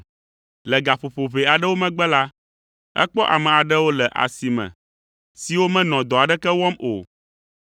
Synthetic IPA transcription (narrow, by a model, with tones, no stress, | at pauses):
lɛ˨ɡa˨ɸo˨ɸo˨βe˨a˨ɖɛ˦wo˦mɛ̃˦ɡ͡bɛ˦la˦ | ɛ̰˦k͡pɔ˦ʔa˨mɛ̃˨a˨ɖɛ˦wo˦lɛ˨ʔa̰˨si˨mɛ̰̃˨ | si˨wo˦mɛ̃˦nɔ̃˨d̪ɔ˨a˨ɖɛ˦kɛ˦wɔ˦mo̰˨